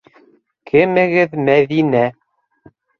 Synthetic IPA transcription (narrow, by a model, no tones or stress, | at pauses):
kʰɘ̆mɘ̆ɣɘðmæðinæ